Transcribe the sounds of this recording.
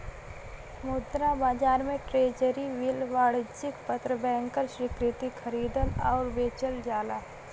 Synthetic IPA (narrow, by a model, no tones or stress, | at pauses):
mʊd̪ɾabaːd͡ʒaːɾmẽʈɾeːd͡ʒəɾiʋɪlʋaːɽɪd͡ʒɪkpət̪ɾəbɛ̃ːŋkəɾʃɾɪkɾɪt̪ikʰəɾiːd̪ənɔːɾʋeːt͡ʃəld͡ʒaːlaː